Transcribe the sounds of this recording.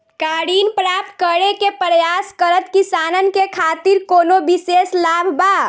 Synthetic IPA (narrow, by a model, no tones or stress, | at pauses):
kaɽinpɾap̚t̪kəɽekepɾəjaskəɾət̪kisanənkekʰat̪iɾkonobiseslabʱba